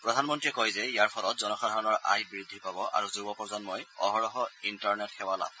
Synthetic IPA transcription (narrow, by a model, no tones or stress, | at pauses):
pɹɔdʱanmɔntɹiɛkɔjzɛijaɹpʰɔlɔt̚zɔnɔkʰadʱɔɹɔnɔɹʔa̰jbiɹud̪ʱːipabɔʔa̰ɹuzubɔpɔɹzɔnmojɔ̰ɦɔɹɔɦɔintɔɹnɛtxʰɛwala̰b